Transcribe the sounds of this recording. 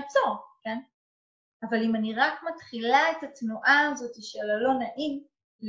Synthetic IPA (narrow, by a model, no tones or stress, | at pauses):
t͡soken | avalimaniʁakmatχilaetatnuʔaːzo̞tiʃelalo̞naʔim | l